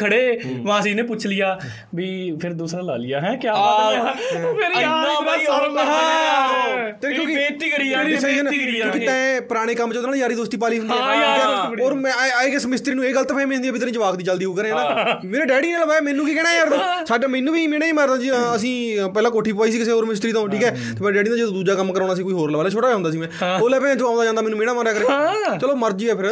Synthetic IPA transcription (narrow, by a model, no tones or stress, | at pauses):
kʰəɽeːʋãːəsĩːnẽːpʊt͡ʃʰlɪjaː | ʋiːpʰɪɾd̪uːsɾaːla̰ːlɪjaːɦɛ̃ːkjãː | ɦa | t̪eːkjõːkɪt̪ikɽiɪsid͡ʒənõːkit̪ɛ̃ːpəɾaːɽ̃eːkəmt͡ʃəod̪naːlːd͡ʒaːɾiːd̪oːst̪iːp̬aːliːɦʊ̃nd̪aːdiːaoːɾmɛ̃eːkɪsmɪst̪ɾiːnũːeːɡəlt̪aːpɛ̃ːmĩɦʊnd̪iaːbiːt̪əɾĩːd͡ʒəʋaːkd̪iːt͡ʃəld̪iːɦoːkəɾẽːnaːmeːɾeːɖɛːɽiːneːləʋaːeːmɛ̃ːnːũːkik̬ɛːɽaːeəɾd̪õːsaːɖmɛ̃ːnːũːʋiːmeːɽaːĩːmaɾd̪ãːd͡ʒiəs̬ĩːpɛːlãːkoːʈʰiːp̬ʋaːiːs̬iːkɪseːoːɾmɪst̪ɾiːt̪õːʈʰiːkɛː | t̪eːmɛːɾeɖɛːɖiːd̪ãːd͡ʒet̪ũːd̪uːd͡ʒaːkəmːkəɾãːɽ̃aːs̬ĩːkoiːɦoːɾləʋaːlaːt͡ʃʰoːʈaːjaːɦʊnd̪aːs̬iːmɛ̃ːoːlɛːpɛ̃ːt͡ʃãːnd̪aːd͡ʒãːnd̪aːmɛːnːũːmeːɽ̃aːmãːɾaːkəɾeːt͡ʃəloːməɾd͡ʒiːɛːpʰɪɾ